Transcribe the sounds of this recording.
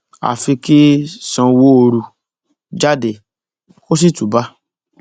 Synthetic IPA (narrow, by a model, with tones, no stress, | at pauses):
a̰˨fi˧ki˦sɔ̃˧wo˦˧ɾu˧ | d͡ʒa˦de˨ | ko˦s̬i˦tu˨ba˦